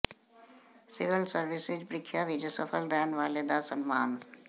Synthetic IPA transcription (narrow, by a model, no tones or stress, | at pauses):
siʋilsəɾʋisid͡ʒpɾɪkʰːjaʋid͡ʒəsəfʰəlɾɛːnʋaːled̪asənmaːn